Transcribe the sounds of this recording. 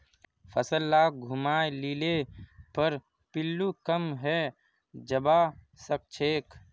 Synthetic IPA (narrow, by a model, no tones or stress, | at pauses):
pʰəsəlːaːɡʱʊmaːelilepəɾ | pɪlːukəmɦɛ | d͡ʒəba | sək̚t͡ʃʰeːk